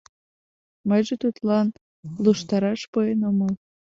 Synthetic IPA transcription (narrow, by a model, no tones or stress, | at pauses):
məjʒet̪ut̪lɑn | luʃt̪ɑɾɑʃpoenoməl